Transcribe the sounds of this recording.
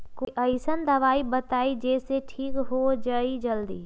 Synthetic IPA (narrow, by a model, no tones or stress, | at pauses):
koʔəɪsənd̪ɐʋaːibət̪aːid͡ʒeːseʈʰiːkɦod͡ʒəid͡ʒəld̪ḭː